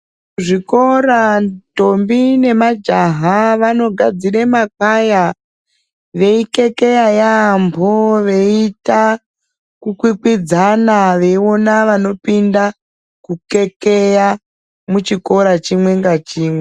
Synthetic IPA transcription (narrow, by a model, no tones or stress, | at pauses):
ʐiko̞ɾatombine̞mad͡ʒaɦaʋano̞ɡʱad͡ziremakaja | ʋe̞ike̞ke̞jajambʱoʋe̞ita | kukwikwid͡zanaʋe̞ionaʋano̞pinda | kuke̞keja | mut͡ʃiko̞ɾat͡ʃimwe̞ŋɡat͡ʃiːmwe